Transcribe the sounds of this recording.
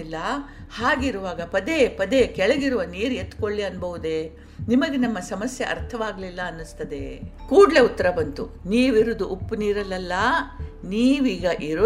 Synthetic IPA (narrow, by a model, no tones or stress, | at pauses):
ilːɐhaːɡiɾuʋaːɡɐpɐd̪e̞ːpɐd̪eːkɛɭɐɡiɾuʋɐniːɾet̪ːkoɭːiɐnbɐʋud̪e̞ | nimɐɡenɐmːɐsɐmɐsjɐ̰ʔɐ̰ɾt̪ʰɐʋaːɡɐlilːɐɐnːust̪ɐd̪e̞kuːɽɭe̞ut̪ːɐɾɐbɐnt̪ṵ | niːʋiɾud̪uʔupːniːɾɐlːɐlːɐniːʋiːɡɐʔiɾu